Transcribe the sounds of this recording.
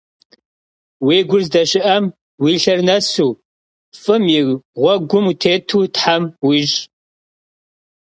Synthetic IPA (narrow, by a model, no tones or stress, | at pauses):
weːɡʷʊrzdɐɕɪʔɐm | wiːɬɐrnɐsuː | fʼɨmjiʁʷɔɡʷʊmutʰeːtʰuːtħamwiːʒ